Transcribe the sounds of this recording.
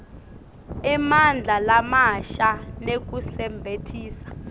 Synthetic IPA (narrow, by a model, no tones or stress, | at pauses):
imand͡ɮʱalamaʃanek̬usɛmbʱetʰiːsḁ